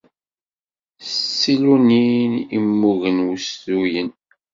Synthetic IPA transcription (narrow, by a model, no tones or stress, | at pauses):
sːiluninḭmːuʝənwusθujən